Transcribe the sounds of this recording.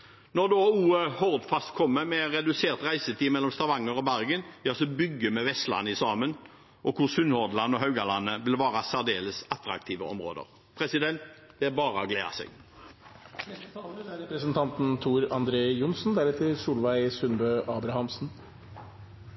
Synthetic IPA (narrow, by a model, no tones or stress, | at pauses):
nɔʁd̪oːuːəhɔʁd̪fɑst̪kʰɔmːəmɛʁɛd̪ʉseːʁt̪ʁæɪsət̪ʰiːmɛlːɔmst̪ɑʋɑŋːəʁɔbæʁɡənɑlsɔbʏɡːəmɛʋɛst̪lɑ̰nːɪsɑːmən | ɔkʰʊsʉnhɔʁd̪lɑnːɔɦɑʉɡɑlɑnːəʋɪlʋɑːʁɑsæʁd̪eːləsɑt̪ɾɑ̰k̚t̪ʰiːʋəɔ̰mʁo̰ːd̪ə̰ʁ | pʰɾɛsɪd̪ɛnt̪ | d̪̥ɛæbɑːʁəɔɡlḛːɑ̰sɛ̰ɡ | nɛst̪ət̪ʰɑːlæɾɛpɾəsənt̪ʰɑnt̪n̩t̪ʰuːɾɑnd̪ɾeːjʊnsn̩d̪æɾɛt̪ʰɪlsuːlʋæɪsʉnbøːʔɑːbɾɑhɑmsn̩